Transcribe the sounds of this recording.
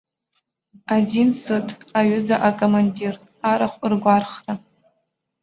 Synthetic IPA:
azinsɨtʼaɥʏzaʔakʼomanʲdir | aɾaχʷɨrɡʷarχra

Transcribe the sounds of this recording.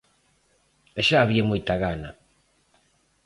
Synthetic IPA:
eʃaːβiamojt̪aɣana

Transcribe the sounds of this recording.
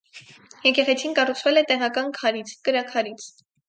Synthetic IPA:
jɛkɛʁɛt͡sʰinkɑrut͡sʰvɛlɛt̪ɛʁɑkɑnkʰɑɾit͡sʰkəɾɑkʰɑɾit͡sʰ

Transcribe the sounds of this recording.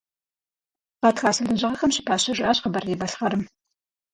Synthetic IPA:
qɑːtxaːsɐɮɨʑɪʁɐxɐmɕɪ̥pʰaːɕɐʒɪʔɐɕqəbɐriːbɐɬχɐɾɨm

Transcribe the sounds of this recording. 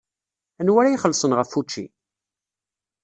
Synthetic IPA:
ænwæɾæjiχəlːsˤənʁəfːut͡ʃːḭ

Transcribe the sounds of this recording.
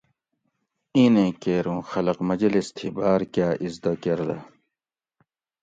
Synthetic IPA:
ĩːnẽːkeːɾũːxɐlɐqmɐd͡ʑɐlist̪ʰibaːɾkjaːʔizd̪ɐkeɾd̪ɐ

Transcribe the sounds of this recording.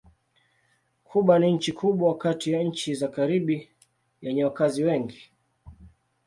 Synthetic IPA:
kʰuɓwaniɲ̩t͡ʃikʰuɓwawakatijaɲ̩t͡ʃizakaɾiɓi | jɛɲɛwakaziwɛŋɡi

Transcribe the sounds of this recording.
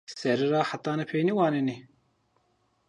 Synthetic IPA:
sɛɾɨɾɑːħat̪ɑːnɛpʰeːjniwɑːneni

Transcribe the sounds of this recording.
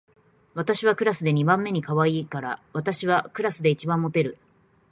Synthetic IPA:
βat̪aɕiβakɯ̟ɾasɨd̪e̞ɲ̟ibãmːe̞ɲ̟ikaβaiːkaɾaβ̞at̪aɕiβakɯ̟ɾasɨd̪e̞it͡ɕibãmːo̞t̪e̞ɾɯ̟

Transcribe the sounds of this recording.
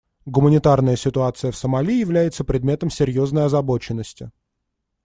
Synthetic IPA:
ɡʊmənʲɪt̪arnəjəsʲɪt̪ʊat̪sɨjəfsəmɐlʲijɪvlʲæjɪt̪səpɾʲɪd̪̚mʲe̞t̪əmsʲɪɾʲjo̞znəjɐzɐbo̞t͡ɕɪnːəsʲtʲɪ̰

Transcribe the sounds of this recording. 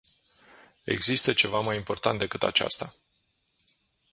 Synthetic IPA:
e̞̰ɡzist̪ət͡ʃe̞vamajimpo̞rt̪ant̪̚d̪e̞kɨt̪a̰t͡ʃa̰st̪a

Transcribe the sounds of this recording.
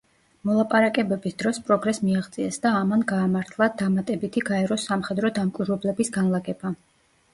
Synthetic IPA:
mɔlˠapʼaɾakʼɛbɛbisd̪̥ɾɔspʼɾɔɡɾɛsmiaʁt̪sʼiɛsd̪aːmanɡaːmaɾt̪ʰlˠad̪amat̪ʼɛbit̪ʰiɡaɛɾɔsamχɛd̪ɾɔd̪amkʼwiɾwɛblɛbisɡanlˠaɡɛba

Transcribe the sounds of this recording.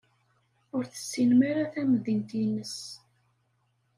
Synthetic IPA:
ʊɾθə̥sːinmaɾaθæməðint̪inəs

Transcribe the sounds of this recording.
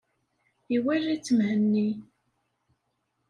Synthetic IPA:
iwærːit͡sːəmhənːi

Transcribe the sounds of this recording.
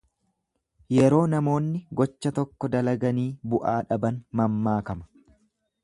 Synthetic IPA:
jɛɾo̞ːnɐmo̞ːnːɪɡɔt͡ʃːɐt̪ɔkːɔd̪ɐlɐɡɐniːbʊʔaːᶑɐbɐnmɐmːaːkɐmɐ̥

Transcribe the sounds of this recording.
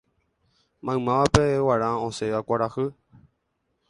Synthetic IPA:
mãmãʋapewaɾãõseʋakʷaɾahɨ

